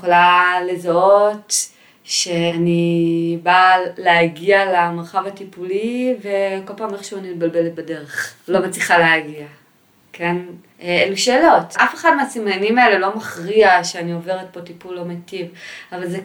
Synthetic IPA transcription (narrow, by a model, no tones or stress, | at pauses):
χolalezaot | ʃeanibaleaɡialamaʁχavatipulive̞ko̞lpaːmeχʃuanimetbalbe̞let̚bade̞ʁeχlo̞met͡sliχaleaɡia | kʰe̞n | eluʃeːlo̞tʔafe̞χadmeasimanimaele̞lo̞maχʁiaʃeaniove̞ʁet̚po̞tipulːo̞metivavalze